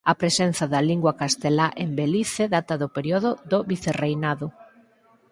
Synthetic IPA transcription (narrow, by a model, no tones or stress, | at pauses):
ɐpɾesen̟θɐðɐliŋɡwakast̪elaʔembeliθeðat̪ɐðopeɾjoðoðoβiθerejnaðʊ